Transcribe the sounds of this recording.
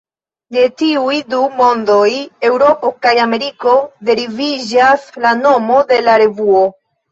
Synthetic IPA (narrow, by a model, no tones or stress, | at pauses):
ne̞tiujdumo̞ndo̞je̞wɾo̞po̞kajame̞ɾiko̞de̞ɾivid͡ʒaslano̞mo̞de̞laɾe̞vuo̞